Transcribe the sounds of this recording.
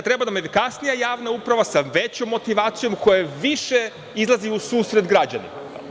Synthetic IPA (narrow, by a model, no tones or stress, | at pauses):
t̪ɾe̞banamefikasnijajaːʋnaupɾaʋasaʋe̞t͡ɕo̞mːo̞t̪iʋaːt̪sijo̞mko̞jeʋiʃe | izlˠaziusuːsɾe̞d̪ɡɾad͡ʑa̰nḭma̰